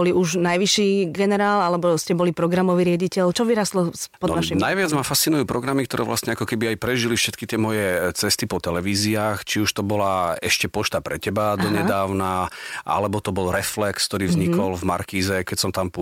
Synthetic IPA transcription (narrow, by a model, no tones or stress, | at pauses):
ɔliuʒnajʋiʃiːɡɛnɛɾaːlalɛbɔscɛbɔlipɾɔɡɾamɔʋiɾɪaɟicɛʎt͡ʃɔʋiɾast̪lɔspɔd̪ɔaʃnajʋɪad͡zmafast̪t͡sinujuːpɾɔɡɾamikt̪ɔɾʔɛːʋlʔa̰sɲɛakɔkɛbiajpɾɛʒilifʃɛt̪kit̪ɪɛmɔjɛt͡sɛst̪ipɔt̪ɛlɛʋiːziaːxt͡ʃiuʃt̪ɔbɔlaɛʃcɛpɔʃt̪apɾɛcɛbad̪ɔɲɛd̪aːʊnaʔa̰lɛbɔt̪ɔbɔlɾɛflɛksk̚t̪ɔɾiːvzɲikɔlvma̰ɾkiːzɛkɛcsɔmt̪amp